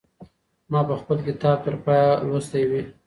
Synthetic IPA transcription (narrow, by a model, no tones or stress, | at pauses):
mɑpəxpəlkɪt̪ɑb̚t̪əɾpɑjalust̪ajwi